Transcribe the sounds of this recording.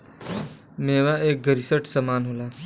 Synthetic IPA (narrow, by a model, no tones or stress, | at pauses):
meːʋaeːk̚ɡəɾisəʈsaːmaːnɦoːlaː